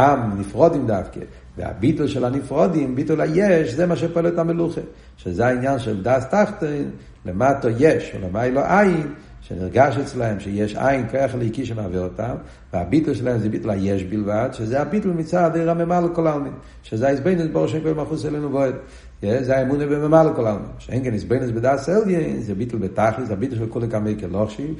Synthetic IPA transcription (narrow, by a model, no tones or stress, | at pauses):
amnifʁɔdimdafkə̰ | vɪ̰a̰bitl̩ˠʃɛlanifʁɔdimbitl̩ˠajɛʃzemaʃ̬ɛpalɛtameluχə | ʃezeainjanʃɛldastaχtɔɪn | lematɔjɛʃṵləmaɪloʔajɪn | ʃɛnḭʁɡaʃɛt͡slaɛmʃejɛʃa̰jɪnkɔjaχleikiʃ̬ɪmavɛʁtam | vɪabitl̩ˠʃɪlaɛmzebitl̩ˠajɛʃbilˠvadʃɪzeabitl̩ˠmɪt͡sadeɪʁamemalˠəkɔlalˠmim | ʃɪzaisboɪnʊsbɔʁʃɛnkejmaχuselenuvɔɪd | jɛzeaemunəvɪməmalˠəkɔlalˠmḭmʃɛnkɛnisboɪnʊsbɪdaːsɛlˠdjennzebitl̩ˠbɪtaχləsabitl̩ˠʃɛlˠkulˠekameɪkɪlˠɔχʃi